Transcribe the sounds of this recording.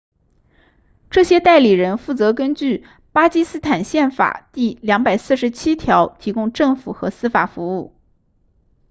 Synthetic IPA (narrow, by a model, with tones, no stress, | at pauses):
ʈ͡ʂɤ˥˩ɕjɛ˥t̪a˥˩ɪli˨˩ɻə˧˥nfu˥˩t͡sɤ˧˥kə˥nt͡ɕy˥˩ | pa˥t͡ɕi˥sɹ̩˥t̪ʰa˨˩nɕjɛ˥˩nfa̰˨˩t̪i˥˩ljɑ˧˥ŋpa˨˩ɪsɹ̩˥˩ʂɻ̩˧˥t͡ɕʰi˥t̪ʰjɑ˧˥ʊt̪ʰi˧˥kʊ˥ŋʈ͡ʂɤ˥˩ŋfṵ˨˩xɤ̰˧˥sɹ̩˥fa˨˩fu˧˥u˥˩